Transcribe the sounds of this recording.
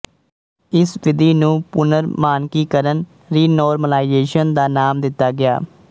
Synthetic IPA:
ɪsʋɪd̪iːnũːpʊnəɾmaːnkiːkəɾən | ɾiːnɔːɾməlaːɪzeːʃənd̪aːnaːmd̪ɪt̪ːaːɡɪa̰ː

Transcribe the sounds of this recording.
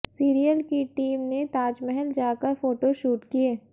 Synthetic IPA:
siːɾijəlkiʈiːmnet̪aːd͡ʒmɛɦɛld͡ʒaːkəɾfoːʈoʃuːʈkieː

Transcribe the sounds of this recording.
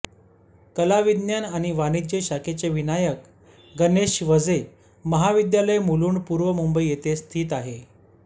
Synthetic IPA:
kəlaʋid̪njanañiʋanid͡ʑeɕaket͡seʋinajək | ɡəneɕʋəd͡ze | məɦaʋid̪jaləjmuluːnpuːɾʋəmumbəijet̪est̪ʰiːt̪aɦe

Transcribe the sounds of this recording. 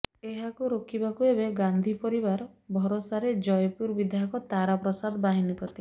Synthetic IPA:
eɦakuɾokʰibakuebeɡand̪ʱipɔɾibaɾbʱɔɾosaɾed͡ʒɔjpuɾbid̪ʱakɔt̪aɾapɾɔsad̪baɦinipɔt̪i

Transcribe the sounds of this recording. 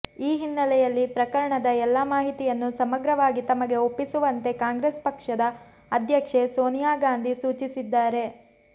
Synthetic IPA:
iːɦinːɐlɛjɐlːipɾɐkɐɾɐɳɐd̪ɐɛlːɐmaːɦit̪ijɐnːusɐmɐɡɾɐʋaːɡit̪ɐmɐɡe̞o̞pːisuʋɐnt̪e̞kaːŋɡɾespɐkʂɐd̪ɐ | ɐd̪ʱjɐkʂe̞soːnijaːɡaːnd̪ʱisuːt͡ʃisid̪ːaːɾe̞

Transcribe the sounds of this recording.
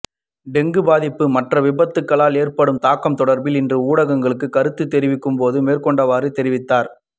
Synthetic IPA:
ɖɛŋɡɯbaːðɪpːɯmɐʈrɐʋɪbɐt̪ːɯkːɐɭaːleːrpɐɽɯmt̪aːkːɐmt̪ɔɽɐɾbɪlɪndrɯuːɽɐɣɐŋɡɐɭɯkːɯkːɐɾɯt̪ːɯt̪ːɛɾɪʋɪkːɯmpoːðɯmeːrkɔɳɖɐʋaːɾɯt̪ːɛɾɪʋɪt̪ːaːɾ

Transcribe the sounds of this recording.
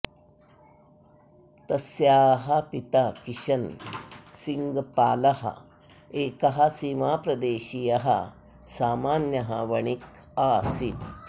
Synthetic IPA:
t̪ɐsjaːɦɐpit̪akiɕɐn | siŋɡpaːlɐhɐ̰ | eːkɐɦɐsimaːpɾɐd̪eːɕijɐɦɐ̰ | saːmaːnjɐɦɐ̰ʋɐɳ̃ik | aːsit̪

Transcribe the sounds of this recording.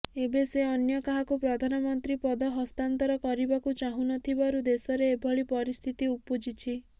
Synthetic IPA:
ebeseɔnjɔkaɦakupɾɔd̪ʱanɔmɔnt̪ɾipɔd̪ɔɦɔst̪ant̪ɔɾɔkɔɾibakut͡ʃaɦũnɔt̪ʰibaɾud̪esɔɾeːbʱɔɭipɔɾist̪ʰit̪iupod͡ʒit͡ʃʰi

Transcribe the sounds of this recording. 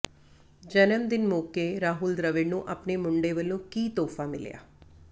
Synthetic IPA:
d͡ʒənəmd̪ɪnmoːkeːɾaːɦuːld̪ɾəʋɪɖnũːʔəpneːmʊɳɖeːʋəlõːkiːt̪ɔːfʰaːmɪ̰lja̰ː

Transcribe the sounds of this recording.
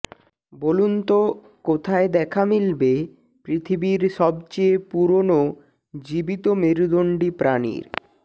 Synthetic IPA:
bolunt̪o | kot̪ʰaed̪ɛkʰamilbe | pɾit̪ʰibiɾʃɔbt͡ɕeepuɾono | d͡ʑibit̪omeɾud̪oɳɖipɾanḭɾ

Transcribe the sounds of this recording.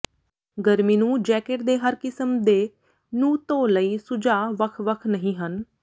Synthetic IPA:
ɡəɾmiːnũːd͡ʒɛːkeʈd̪eːɦəɾkɪsəmd̪eː | nũːt̪õːləiːsʊd͡ʒaːʋəkʰʋəkʰnəɦĩːɦən

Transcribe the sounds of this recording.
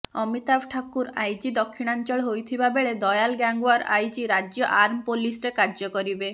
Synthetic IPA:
ɔmit̪abʈʰakuɾajd͡ʒid̪ɔkʰːiɽ̃ant͡ʃɔɭɦojt̪ʰibabeɭed̪ɔjalɡaŋɡwaɾajd͡ʒiɾad͡ʒjɔʔaɾmɔpolisɔɾekaɾd͡ʒɔkɔɾibe

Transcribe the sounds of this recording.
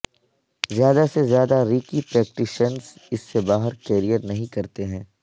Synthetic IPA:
zjaːd̪asezjaːd̪aɾiːkipɾɛːk̚ʈɪʃənzɪsːebaːɦəɾkeːɾijəɾnɐɦĩkɐɾt̪eɦɛ̃ː

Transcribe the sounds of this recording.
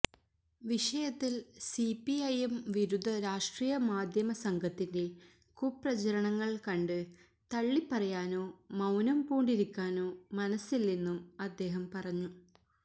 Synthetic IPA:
ʋiʂɐjɐt̪ːilsipːiɐjemʋiɾud̪ʱːɐɾaːʂʈriːjɐmaːd̪ʱjɐmɐsɐŋɡʱɐt̪ːinde̞ | kuprɐt͡ɕɐɾɐɳɐŋːɐɭkɐɳɖɨ | t̪ɐɭːipːɐrɐjaːno̞ːmɐwnɐmpuːɳɖiɾikʲːaːno̞ːmɐnɐsːilninːumɐd̪ːe̞ːɦɐmpɐrɐɲːu

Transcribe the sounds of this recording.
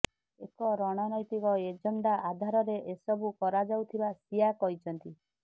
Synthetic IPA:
ekɔɾɔɽ̃ɔnɔjt̪ikɔed͡ʒɔɳɖaʔad̪ʱaɾɔɾeʔesɔbukɔɾad͡ʒawt̪ʰibasijakɔɦit͡ʃʰɔnt̪i

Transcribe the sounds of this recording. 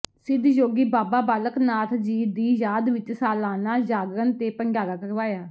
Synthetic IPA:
sɪd̪ʱjoːɡiːbaːbaːbaːləknaːt̪ʰd͡ʒiːd̪iːjaːd̪ʋɪt͡ʃsaːlaːnaːd͡ʒaːɡɾənt̪eːpəŋɡjaːɾaːkəɾʋaːjaː

